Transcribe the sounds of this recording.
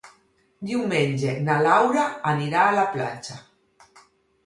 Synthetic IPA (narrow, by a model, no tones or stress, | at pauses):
d̪iwmenʲd͡ʒenalawɾaaniɾaːlapla̰t͡ʃa